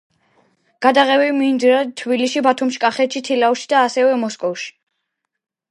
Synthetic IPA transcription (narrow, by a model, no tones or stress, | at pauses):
ɡ̥ad̪aʁɛvimind̪ɾat̪ʰbiliʃibat̪ʰumʃi̥kʼaχɛt̪ʃit̪ʰilauʃi̥d̪aːsɛvɛmɔskʼɔfʃi̥